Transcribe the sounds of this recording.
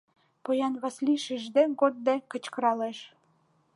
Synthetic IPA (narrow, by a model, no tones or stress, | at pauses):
pojɑnβɑsliʃiʒd̪eɡod̪̚ːekə̆t͡ɕkɤ̆ɾɑleʃ